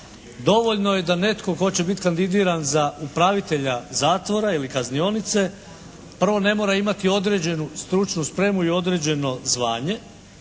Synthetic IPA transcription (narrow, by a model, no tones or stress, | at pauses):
d̪o̞ʋo̞ʎno̞je̞d̪ane̞t̪ko̞ko̞t͡ɕe̞bit̪kand̪id̪iːɾanzaupɾaʋit̪e̞ʎazaːt̪ʋo̞ɾailikaznio̞nit̪se̞ | pr̩ʋo̞ne̞mo̞ːɾaimat̪io̞d̪ɾe̞d͡ʑe̞nust̪ɾut͡ʃnuspɾe̞ːmuio̞d̪ɾe̞d͡ʑe̞no̞zʋa̰ːɲe̞